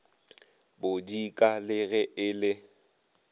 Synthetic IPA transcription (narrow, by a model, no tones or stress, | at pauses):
bʊdikʼalɪɣɛʔɪlɪ